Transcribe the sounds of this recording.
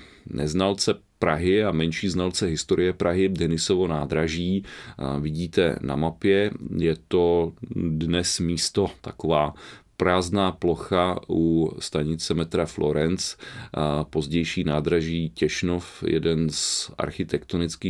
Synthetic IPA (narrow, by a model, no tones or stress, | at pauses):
nɛ̰znalt͡sɛ | pɾaɦɪamɛnʃiːznalt͡sɛɦɪst̪oɾɪjɛpɾʔaɦɪdɛnɪsovo̞naːd̪ɾaʒiːvɪɟiːt̪ɛ̰na̰mapjɛjɛt̪o̞dnɛsmiːst̪o̞t̪a̰kovaːpɾaːznaːplo̞xaust̪aɲɪt͡sɛmɛt̪ɾaflo̞ɾɛnt͡s | po̞zɟɛjʃiːnaːd̪ɾaʒiːcɛʃnofjɛ̰dɛnzʔa̰ɾxɪt̪ɛkt̪onɪt͡skiː